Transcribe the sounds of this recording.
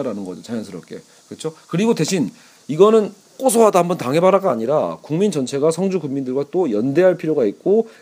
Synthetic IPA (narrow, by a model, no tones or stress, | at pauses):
aɾanɯnɡʌd͡ʑot͡ɕajʌnsʰɯɾʌp̚k͈e̞̰ | kɯt͡ɕʰokɯɾiɡode̞ɕʰin | iɡʌnɯn | k͈osʰoɦadaɦambʌntaŋɦe̞baɾaɡaːɲiɾakuŋmind͡ʑʌnt͡ɕʰe̞ɡasʰʌŋd͡ʑukuŋmindɯɭɡwat͈ojʌnde̞ɦaɭpʰiɾjoɡaik̚k͈o